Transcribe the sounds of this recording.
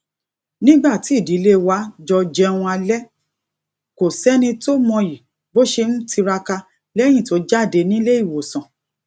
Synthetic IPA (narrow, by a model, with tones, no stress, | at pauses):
nĩ˦ɡ͡ba˦˨ti˨˦˨di˨˦le˦wa˦d͡ʒɔ˧d͡ʒɛ̃˦ũ˧a˧lɛ˦ | ko˨sɛ˦nĩ˧to˦mɔ̃˧ji˨ | bo˦ʃe˧n̩˦ti˧ɾa˧ka˧ | lɛ˦j̃ĩ˦˨to˨˦d͡ʒa˦˨de˧nĩ˦le˦i˦˨wo˨sɔ̃˨